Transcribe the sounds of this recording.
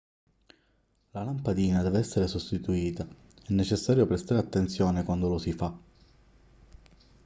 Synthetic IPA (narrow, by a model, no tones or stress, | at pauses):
lalampad̪iːnad̪ɛːveɛsːeɾesost̪it̪uiːt̪a | ɛnːet͡ʃesːaːɾjopɾest̪aːɾeat̪ːent̪sjɔːnekwand̪olosifa